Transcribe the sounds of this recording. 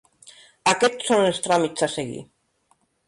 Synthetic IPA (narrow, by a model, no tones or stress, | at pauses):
akɛtsːonelˠst̪ɾamitsaseɣḭ